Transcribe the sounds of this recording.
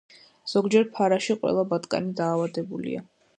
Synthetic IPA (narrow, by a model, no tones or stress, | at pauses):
z̥ɔɡd͡ʒɛɾpʰaɾaʃiqʼwɛ̰lˠabat̪ʼkʼa̰nid̪aːvad̪ɛbulḭa